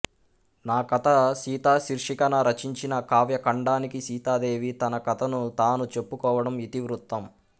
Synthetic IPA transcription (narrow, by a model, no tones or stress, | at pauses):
naːkɐt̪ɐʃiːt̪aːʃiɾʂikɐnɐɾɐt͡ʃiɲt͡ʃinɐkaːʋjɐkɐɳɖaːnikiʃiːt̪aːd̪e̞ːʋit̪ɐnɐkɐt̪ʰɐnut̪aːnut͡ʃe̞pːukɔːʋɐɽɐmit̪iʋɾut̪ːɐm